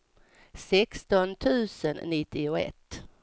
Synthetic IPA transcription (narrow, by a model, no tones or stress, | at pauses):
sɛkst̪ɔnt̪ʰʉ̟ːsənːɪt̪ːɪʊɛ̰t̪ː